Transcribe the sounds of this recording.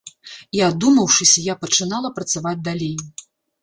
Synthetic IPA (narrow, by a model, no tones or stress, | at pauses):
iad̪umɐwʂɨsʲɐjapɐt͡ʂɨnalˠɐpɾɐt̪savad͡zʲd̪alʲej